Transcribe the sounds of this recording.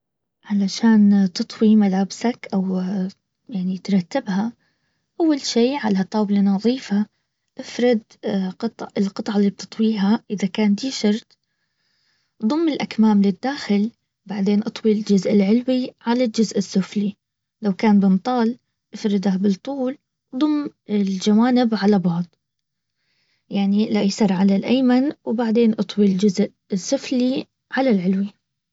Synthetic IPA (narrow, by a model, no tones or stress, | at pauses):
ʕalaʃaːnt̪ɨt̪ˤwimalaːbsakʔaw | jaʕnit̪ɾˤɑt̪ːɪbha | ʔawːalʃiːʕalat̪ˤɑːblanɑðˤiːfa | ʔafɾˤɪd̪ | qɑt̪ˤʕɪlqɨt̪ˤʕalːiːb̚t̪ɨt̪ˤwiːɦaʔɪðakaːnd̪iːʃɑɾˤt̪ | d̪ˤʊmːɪlʔakmaːmlɪd̪ːaːxɪl | baʕd̪eːnʔɑt̪ˤwild͡ʒʊzʔɪlʕɪlwiʕalald͡ʒʊzʔɪsːʊfli | lawkaːnbɪnt̪ˤɑːl | ʔɪfɾɪd̪abɪt̪ˤːuːl | d̪ˤʊmːɪld͡ʒawaːnɪbʕalabɑʕd̪ˤ | jaʕnilaʔjsɑɾˤʕalalʔajmanwbaʕd̪eːnʔɑt̪ˤwild͡ʒʊzʔ | ɪsːʊfli | ʕalalʕɪlwi